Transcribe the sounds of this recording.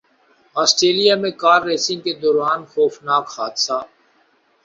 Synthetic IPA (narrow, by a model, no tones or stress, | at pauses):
aːsʈɾeːlijaːmẽkaːɾːeːsɪ̃ŋɡked̪oːɾaːnxoːfnaːkhaːd̪saː